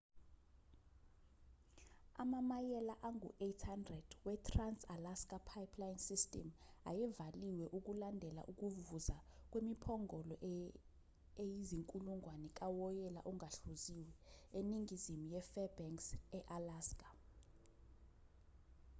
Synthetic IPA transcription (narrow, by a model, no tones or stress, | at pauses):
a̰mamajɛlaʔaŋɡṵʔetʰhandrɛd̥wɛtʰransalaskʼapʰajpʰlajnsistʼɛ̰ma̰jɛvaliwɛʔuk̬ulandʱɛla̰ʔuk̬uvuzak̬ʼwemipʰɔŋɔlɔʔ | ejiziŋkʼuluŋʱwanɛk̬ʼawɔjɛla̰ʔuŋʱaɬuziwɛeniŋizimijɛfɛbɛŋksɛʔalaːskʼḁ